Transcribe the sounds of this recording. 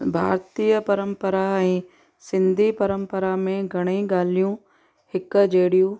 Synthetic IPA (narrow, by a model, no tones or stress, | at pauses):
bʱa̰ːɾt̪iːjəpɐɾə̃mpəɾaɛ̃ː | sɪ̃nd̪ʱipɐɾə̃mpəɾamẽɡʱɐɽ̃eɠaːl̤ijũ | hɪkd͡ʑeːɽijũ